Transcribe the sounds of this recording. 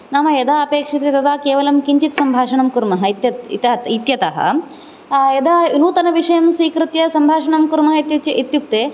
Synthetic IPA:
naːmɐjɐd̪ʱaːɐpeːkʂɐt̪et̪ɐd̪aːkeːʋɐlɐmkiɲt͡ʃit̪sɐmbʱaːʂɐɳɐmkuɾmɐɦɐit̪jɐit̪ɐit̪jɐt̪ɐ̰ɦɐ̰ | jɐd̪ʱainuːt̪ɐnɐʋiʂɐjɐmsʋiːkɾɨt̪jɐsɐmbʱaːʂɐɳɐmkuɾmɐɦɐt̪it̪juk̚t̪eː

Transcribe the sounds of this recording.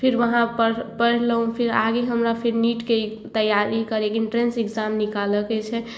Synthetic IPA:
pʰiɾʋəɦãpəpəɽɾləɦũpʰiɾaɡeɦəmɾapʰiɾniʈket̪əjːaɾikəɾekinʈɾenseɡd͡ʒamnikaləkɛt͡ʃʰɛ

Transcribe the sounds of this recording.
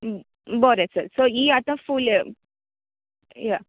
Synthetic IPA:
bəɾɛsəɾsoiat̪afuːl | ja

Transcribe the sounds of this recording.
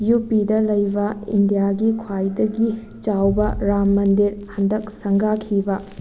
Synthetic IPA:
jupidɐlɐjbɐḭndijaɡikʰwajdɐɡi | t͡ʃawbɐɾamːɐndiɾhɐndɐk̚sɐŋɡakʰibɐ

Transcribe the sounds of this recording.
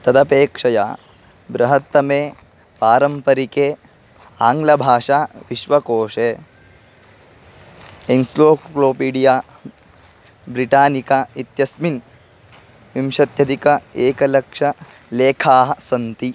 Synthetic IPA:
t̪ɐd̪ɐpeːkʂɐjaː | bɾɐɦɐt̪ːɐmeː | paːɾɐmpɐɾikeː | aːŋɡlɐbʱaːʂaːʋiʃʋɐkoːʂeː | ensloːkloːpiːɖijaː | bɾiʈaːnikɐit̪jɐsmin | ʋimʃɐt̪jɐd̪ʱikɐeːkɐlɐkʂɐ | leːkʰaːɦɐsɐnt̪i

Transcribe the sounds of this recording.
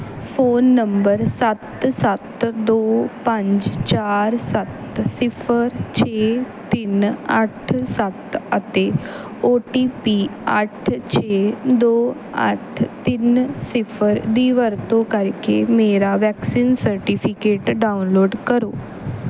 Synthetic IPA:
fʰoːnːə̃mbəɾsɐt̪sɐt̪d̪oːpə̃ɲd͡ʒt͡ʃaːɾsɐt̪sɪpʰəɾt͡ʃʰet̪inɐʈʰsɐt̪ət̪e | oːʈiːpiə̰ʈʰt͡ʃʰeːd̪oː | ə̰ʈʰt̪insɪfʰəɾd̪iːʋəɾt̪okəɾkemeːɾaʋɛːksiːnsəɾʈipʰikeːʈɖaʊnloːɖkəɾoː

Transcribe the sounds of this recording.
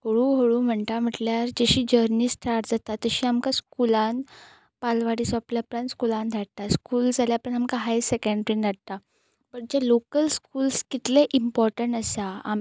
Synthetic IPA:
ɦoɽũːɦoɭuːm̤əɳʈ̪am̤əʈljaɾd͡ʑəɕiːd͡ʑəɾniːsʈʰaʈd͡zat̪at̪ːəɕiːamkaskulãn | palʋaɽisʋapljapɾanskulãnd̪ʱaɽt̪askuːld͡zʱaljapəɳamkaɦajsekeɳɖɾind̪ʱaɽ̚t̪a | pəɳd͡ʑalokəlskuːlskit̪leʔimpɔɾʈəɳʈəsaa̰m

